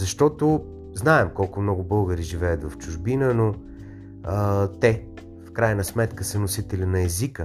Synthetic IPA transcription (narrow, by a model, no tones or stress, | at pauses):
zɐʃt̪ɔt̪ʊ | znaɛmkɔlˠkʊmnɔɡʊbɤlˠɡəɾiʒivɛjət̪vɐft͡ʃʊʒbinəno | ət̪ɛ | fkɾajnəsmɛt̪kəsənosit̪ɛlʲinɐɛzikə